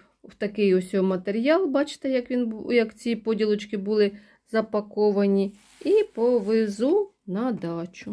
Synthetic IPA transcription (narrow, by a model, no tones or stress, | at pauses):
wt̪ɐkɪjɔsʲɔɔmɐt̪eɾʲjɑlˠbɑt͡ʃɪ̥t̪ejɐkʋʲinjɐkt͡sʲipɔdʲilˠɔt͡ʃkɪbulˠɪ | zɐpɐkɔʋɐnʲi | ipɔʋɪzu | nɐd̪ɑt͡ʃʊ